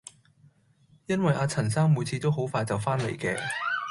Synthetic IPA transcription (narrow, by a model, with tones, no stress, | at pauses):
jɐ˥nwɐ˨jʔaː˧t͡sʰɐ˨˩nsaː˥ŋmu˨jt͡sʰiː˧t̪o˥wɦo˨˥wfaː˧jt͡sɐ˨˩wfaː˥nlḛ˨jkɛː˧